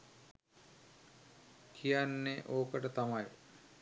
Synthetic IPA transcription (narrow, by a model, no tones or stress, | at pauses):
kʰijanːeʔoːkəʈət̪amaj